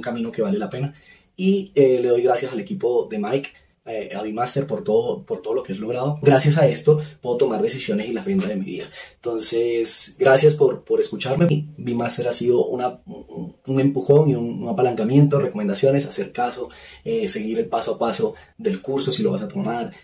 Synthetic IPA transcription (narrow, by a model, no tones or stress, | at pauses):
uŋkamĩno̞ke̞βale̞lape̞na | iele̞ð̞ojɣɾasjasale̞kipo̞ðe̞majk | eaβimast̪e̞ɾpo̞ɾt̪oðopoɾt̪oðolo̞keezlo̞ɣɾaðoɡɾasjas̬ae̞st̪o̞pwe̞ðo̞t̪o̞maɾd̪e̞sisjo̞ne̞silaβend̪aðemiβḭðaent̪o̞nse̞sɡɾasjaspo̞ɾpo̞ɾe̞skut͡ʃaɾme̞ibimast̪e̞ɾasiðo̞ʔuna | une̞mpuxo̞ŋniunuapalaŋkamje̞nt̪o̞reko̞mend̪asjo̞ne̞sase̞ɾkaso̞ese̞ɣiɾe̞lpasoapaso̞ðe̞lkuɾso̞silo̞βasat̪o̞maɾ